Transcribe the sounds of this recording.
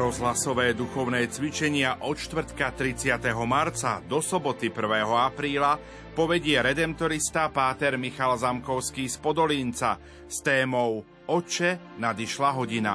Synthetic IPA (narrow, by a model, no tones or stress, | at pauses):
ɾɔzɦlasɔʋɛːd̪uxɔʊnɛːt͡sʋit͡ʃɛɲɪaʔɔt͡ʃt̪ʋr̩t̪kat̪ɾit͡sɪat̪ɛɦɔmaɾt͡sa̰d̪ɔsɔbɔt̪ipr̩ʋɛːɦɔapɾiːla | pɔʋɛɟɪɛɾɛd̪ɛmt̪ɔɾist̪apaːt̪ɛɾmixalzamkɔʊskiːspɔd̪ɔliːnt͡sa̰ | st̪ɛːmɔʊ | ɔt͡ʃɛ | nad̪iʃlaɦɔɟina̰